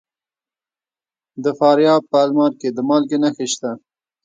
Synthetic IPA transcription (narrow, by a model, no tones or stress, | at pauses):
d̪əfɑːɾjɑb̚pəalmɑɾked̪əmɑlɡenaxeʃt̪a